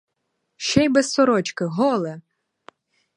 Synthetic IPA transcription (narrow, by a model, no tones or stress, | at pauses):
ʃɛjbɛsːɔɾɔt͡ʃkɪɦɔlˠɛ